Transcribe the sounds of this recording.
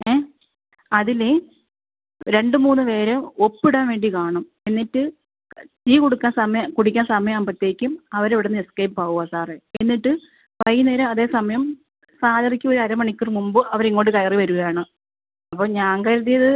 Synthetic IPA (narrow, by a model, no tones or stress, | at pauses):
eː | ɐðile | ɾe̞ɳɖɨmuːnːɨʋe̞ːɾeopːiɽaːnʋe̞ːɳɖikaːɳɐm | enːiʈːɨ | t̪iːkoɽukːaːnsɐmɐjɐkuɽikʲːaːnsɐmɐjɐmaːmprɐt̪ːeːikʲːumɐʋɐɾeʋiɽenːɨeskɐjppaːʋuɣasaːreenːiʈːɨ | pɐjneːɾɐɐðe̞ːsɐmɐjɐm | saːd̪ʱɐrikʲːuoɾuɐɾɐmɐɳikʲːurmumbɨʔɐʋɐɾiŋːoːʈːɨkɐjɐriʋɐɾuɣɐjaːɳɨ | ɐpːoːɲaːŋkɐjɾɐðijɐðɨ